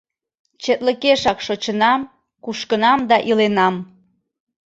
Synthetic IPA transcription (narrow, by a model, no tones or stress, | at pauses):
t͡ɕet̪ləkeʃɑkʃot͡ɕənɑm | kuʃkənɑmd̪ɑʔilenɑm